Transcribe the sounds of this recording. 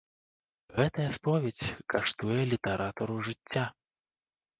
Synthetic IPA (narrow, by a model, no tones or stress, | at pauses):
ɣɛt̪ɐjɐspɔvʲet͡sʲkaʂt̪ujɛlʲit̪ɐɾʔat̪ɐɾuʐɨt͡sʲːa